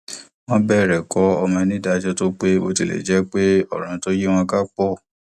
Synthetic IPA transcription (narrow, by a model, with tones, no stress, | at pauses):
w̃ɔ̃˦bɛ˦˨ɾɛ˨kɔ˦ɔ˧mɔ̃˧nĩ˦da˧d͡ʒɔ˦to˦k͡pe˦o˧ti˨lɛ̰˨d͡ʒɛ˨˦k͡pe˦ɔ˦˨ɾ̃ã˨˦to˦je˦w̃ɔ̃˧ka˦k͡pɔ˦˨